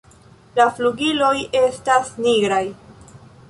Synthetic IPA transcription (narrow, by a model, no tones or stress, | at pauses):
lafluɡilo̞je̞stasniɡɾaj